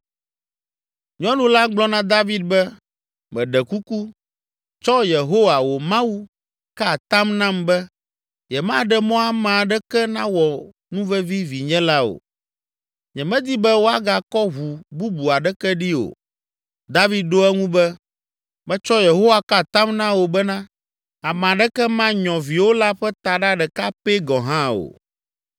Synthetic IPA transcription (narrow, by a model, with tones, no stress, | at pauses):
ɲɔ̃˦nũ˦la˦ɡ͡blɔ˦nã˦d̪a˦vi˦d̪̚bɛ˦ | mɛ̃˨ɖɛ˨ku˦ku˦ | t͡ʃɔ˦je˨ɦo˦wa˨wo˨mã˦wu˦ | ka˦˨t̪a˦mnã˦mbɛ˦ | jɛ˨mã˦˨ɖɛ˦mɔ̃˦a˦mã˨ɖɛ˦kɛ˦nã˦wɔ˨ | nũ˦vɛ˦vi˦vi˨ɲɛ̃˦la˦o̰˨ | ɲɛ̃˨mɛ̃˦d̪i˦bɛ˦wo˦a˦ɡa˨kɔ˦ɦu˨bu˦bu˨a˨ɖɛ˦kɛ˦ɖi˦o̰˨ | d̪a˦vi˦d̪̚ɖo˦ɛ˦ŋũ˦bɛ˦ | mɛ̃˦t͡ʃɔ˦je˨ɦo˦wa˨ka˦˨t̪a˦mnã˦wo˨bɛ˦nã˦ | a˨m˨ã˨ɖɛ˦kɛ˦mã˦ɲɔ̃˨vi˨wo˦la˦ɸɛ˦t̪a˨ɖa˦ɖɛ˨ka˦pe˦ɡɔ̃˨ɦã˦o̰˨